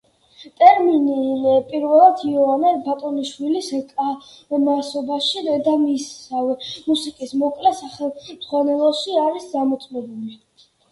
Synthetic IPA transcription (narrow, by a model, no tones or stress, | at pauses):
t̪ʼɛɾminipʼiɾvɛlˠad̪ʰiɔvanɛɾbat̪ʼɔniʃwiliskʼa | masɔbaʃid̪ɛd̪amisavɛmusikʼismɔkʼlɛsaχɛmd̪z̥ʁwanɛlˠɔʃiaɾiszamɔt̪sʼmɛbuli